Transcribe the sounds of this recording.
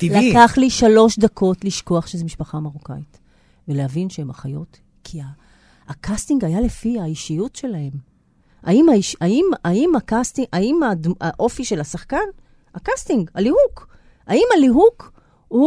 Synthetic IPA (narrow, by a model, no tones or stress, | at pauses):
t̪ilakkaχliʃalo̞ʃdakʰo̞tliʃko̞aχʃezemiʃpaχamaʁokait | velehavinʃeemaχajo̞t | kʰiaː | kast̪iŋɡajalefiaiʃijutʃe̞lahe̞m | a̰imaiʃaimaimakastiaimadaʔo̞fiʃe̞lasaχkan | akastiŋɡalihuk | aimaliɦuk | u